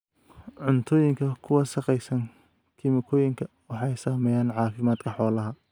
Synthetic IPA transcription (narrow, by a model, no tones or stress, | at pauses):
ʕʊnt̪ʰɔːjɪŋkʰɐkʰʊwɑʃɐqɛjsɐn | kʰɪmɪkʰɔːjɪŋkʰɐ | wɑħɑɛjsaːmɛːjaːnʕɑːfɪmaːd̪kʰɐħɔːlɐɦɐ